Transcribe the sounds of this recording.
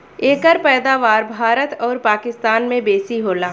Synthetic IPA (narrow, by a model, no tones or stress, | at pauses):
eːkəɾpɛːd̪aːʋaːɾbʱaːɾət̪ɔːɾpaːkɪst̪aːnmẽbeːsiɦoːlaː